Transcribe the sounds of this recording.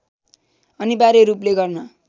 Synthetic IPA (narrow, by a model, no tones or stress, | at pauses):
ʌnibaɾeɾupleɡʌrnʌ